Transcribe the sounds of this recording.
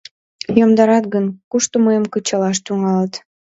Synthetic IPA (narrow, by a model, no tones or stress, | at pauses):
jomd̪ɑɾɑt̪ɡənkuʃt̪oməjəmkət͡ɕɑlɑʃt̪yŋɑlət̪